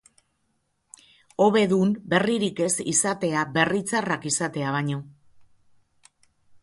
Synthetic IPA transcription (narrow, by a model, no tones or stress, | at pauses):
o̞βe̞ðumbe̞riɾike̞sḭsat̪e̞aβe̞rit͡sarakisat̪e̞aβ̞aɲo̞